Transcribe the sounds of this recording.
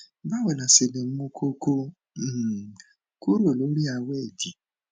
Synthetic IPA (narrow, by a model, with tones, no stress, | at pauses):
ba˦˨wɛ˨lã˨se˨le˨m̩˦õ˧˦kʰo˧ko˧˦˨ | ku˦ɾo˦˨lo˨˦ɾi˦a˧wɛ˦˨di˨